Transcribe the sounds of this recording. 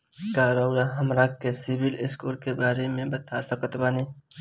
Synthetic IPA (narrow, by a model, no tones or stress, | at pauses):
kaːɾaʊɽaɦɐmɾakːesɪbɪlɪskuːlkebaːɾemẽbɐt̪asəkət̪baːni